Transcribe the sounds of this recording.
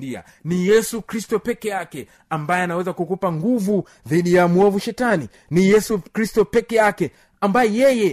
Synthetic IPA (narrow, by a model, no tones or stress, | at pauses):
ia̰ | nijɛsukɾistɔpɛkɛjakɛ | ambajɛanawɛzakukupaŋɡuvu | ðiɗijamuɔvuʃɛtani | nijɛsukɾistɔpɛkɛjakɛ | ambajɛjɛjɛ